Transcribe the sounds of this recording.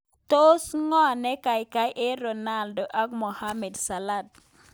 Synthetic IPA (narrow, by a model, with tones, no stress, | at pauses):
to˦sŋɔ˦˨nɛ˦ka˨ɪka˦jʔe˦ɾo˨na˦˨ldo˨ʔa˦k̚mo˨ha˦mɛ˨dsa˨la˦˨d̚